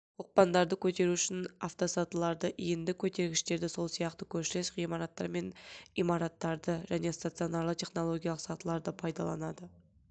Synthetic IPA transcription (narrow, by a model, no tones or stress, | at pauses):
woq̚pɑnd̪ɑɾd̪əkʲʰɵt̪e̞ɾuʏʃɪnaft̪osɑt̪əlˠɑɾd̪əʔijɪnd̪ɪkʲʰɵt̪e̞ɾɡʲɪʃt̪e̞ɾd̪ɪso̞lˠsijɑqt̪əkʲʰɵɾʃɪle̞sʁijmɑɾɑt̪ːɑɾme̞nimɑɾɑt̪ːɑɾd̪əʒæne̞st̪at̪sio̞nɑɾlət̪ʲʰe̞χno̞lˠo̞ɡʲijɑlˠəqsɑt̪əlˠɑɾd̪əpʰɑjd̪ɑ̰lˠɑ̰nɑd̪ə